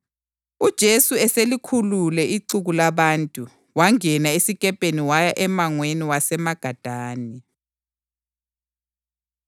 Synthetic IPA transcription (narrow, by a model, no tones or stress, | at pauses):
ud̥ʒ̥ʱesuɛselikʰululɛiǀuɣulaβantʼu | waŋɛnaesikɛpʼeniwajaʔɛmaŋweniwasɛmaɡ̥ʱad̥ʱaːni